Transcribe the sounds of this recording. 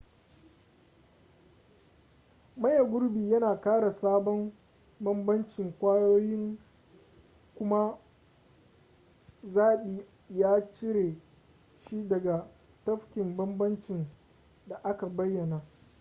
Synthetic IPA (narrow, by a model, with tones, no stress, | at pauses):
mɐ˦ja˨ɡʷʊ˦ɾbiː˨jɐ˦naː˨kaː˦ɽa˨saː˦bɔ˦m | bɐ˦mbɐ˦nt͡ʃɪ˨ŋkʷaː˦joː˦jɪ˦ŋ | kʷʊ˦ma˦ | zaː˦ɓi˨ | jaː˦t͡ʃɪ˦ɾe˨ | ʃi˦dɐ˨ɡa˨ | tɐ˦ɸkʲɪ˨mbɐ˦mbɐ˦nt͡ʃɪ˨n | da˨ʔa˦ka˨bɐ˦jːɐ˨na˨